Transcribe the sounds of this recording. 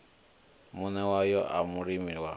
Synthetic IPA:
munɛwajɔʔamuɾimiwa

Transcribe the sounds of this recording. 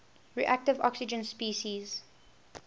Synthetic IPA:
ɹḭʔæk̚tɪvɔ̰ksɪd͡ʒə̃nspiːʃiz

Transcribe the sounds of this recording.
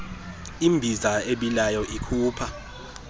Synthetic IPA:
imbʱizaeɓilajɔʔikʰuːpʰa

